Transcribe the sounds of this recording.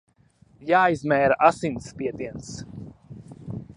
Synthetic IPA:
jaːjzmɛːɾaʔasinspiɛt̪iɛns

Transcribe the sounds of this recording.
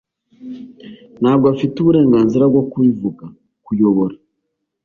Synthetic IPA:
naːɡwafituβuɾeːŋɡaːnziɾaɡwakuivuɡa | kujoβoɾa

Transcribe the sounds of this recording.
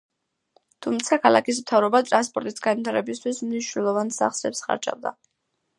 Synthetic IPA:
t̪ʰumt̪sʰakʰalˠa̰kis̬mt̪ʰavɾɔbat̪ʼɾanspʼɔɾt̪ʼisɡanwit̪ʰaɾɛbist̪ʰwismniʃnɛlˠɔvansa̰χsɛpsχa̰ɾd͡ʒʼa̰vd̪a̰

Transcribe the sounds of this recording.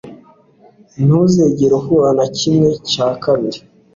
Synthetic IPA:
nuzeɟeɾohuanacimŋe̞caːkaβiɾi

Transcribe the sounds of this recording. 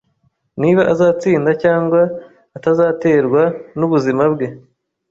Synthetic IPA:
niβaʔazaːt͡siːndacaːŋɡwaː | tazaːte̞ːɾɡwanuβuzimabɡe̞

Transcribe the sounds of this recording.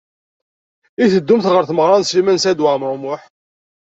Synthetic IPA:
iθəd̪ːumθʁəɾθməʁɾˤɑnsimænsæd̪wamɾˤʊmʊħ

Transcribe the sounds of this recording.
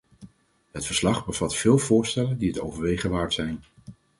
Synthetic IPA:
ɦətfəɹslɑχbəvɑtfɪːlˠvʊːɹstɛləndiɦəto̰wvəɹʋejχəʋaːɹtsɛjn

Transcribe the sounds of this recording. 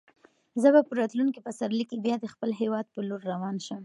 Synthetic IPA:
zəbapəɾɑt̪lunkipasaɾlikibjɑd̪əxpəlɦewɑd̪̚pəloɾːawɑnʃəm

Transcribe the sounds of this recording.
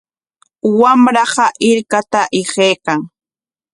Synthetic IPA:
wamɾɑɢɑʔɪɾkat̪aʔɪɢeːkaŋ

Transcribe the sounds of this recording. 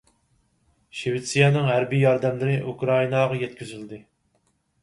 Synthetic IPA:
ʃevɪt̪sijɛnɨŋɦæɾbijɑɾd̪ɛmlɪɾɪʔukɾɑinɑʁɑjɛt̪̚kʲyzyld̪ɪ

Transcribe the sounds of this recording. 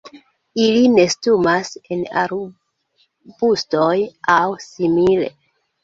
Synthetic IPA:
iline̞stumasena̰ɾ | b̥ustojawsimile̞̰

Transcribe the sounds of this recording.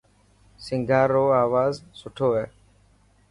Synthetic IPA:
sɪŋɡʱaːɾoːaːʋaːzsʊʈʰoːɛː

